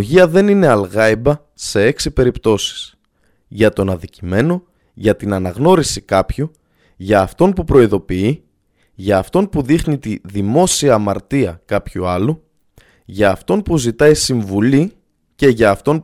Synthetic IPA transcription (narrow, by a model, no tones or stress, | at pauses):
ʝiɐðe̞nine̞ɐlɣɐibɐ | se̞e̞ksipe̞ɾipt̪o̞si̥s | ʝɐt̪o̞nɐnðicime̞no̞ | ʝɐt̪inɐnɐɣno̞ɾisikɐpçu | ʝɐːft̪o̞npupɾo̞iðo̞pii | ʝɐːft̪o̞npuðixnit̪iðimo̞siɐːmɐɾt̪iɐkɐpçuɐlu | ʝɐːft̪o̞npuzit̪ɐisiɱvuli | ce̞ʝɐːft̪o̞n